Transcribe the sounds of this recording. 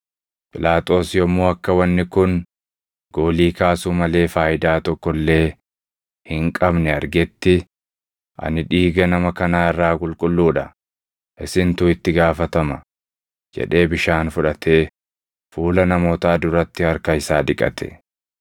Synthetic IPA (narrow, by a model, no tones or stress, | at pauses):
pʼɪlaːt̪ʼo̞ːsjɔmːoːɐkːɐwɐnːɪkʊn | ɡ̥o̞ːliːkaːsuːmɐle̞ːfaːjɪd̪aːt̪ɔkːɔlːe̞ː | hɪŋkʼɐbnɛɐɾɡɛt̪ːɪ | ʔɐ̰nɪᶑiːɡɐnɐmɐkɐnaːɪrːaːkʼʊlkʼʊlːuːᶑɐ | ʔɪsɪnt̪uːɪt̪ːɪɡaːfɐt̪ɐmɐ | d͡ʒɛ̰ᶑe̞ːbɪʃaːnfʊᶑɐt̪e̞ː | fuːlɐnɐmo̞ːt̪aːd̪ʊɾɐt̪ːɪhɐɾkɐɪsaːᶑɪkʼːɐ̰t̪ʰɛ̥̰